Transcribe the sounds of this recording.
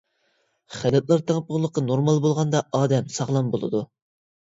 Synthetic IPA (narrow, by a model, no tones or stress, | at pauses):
χælɛt̪̚lˠɑɾt̪ʰeŋəp̚ʊʁlˠːəqːɑnoɾmɑlˠbolˠʁɑnd̪ɑʔɑːd̪ɛmsɑʁlˠɑmbolˠɨ̰d̪u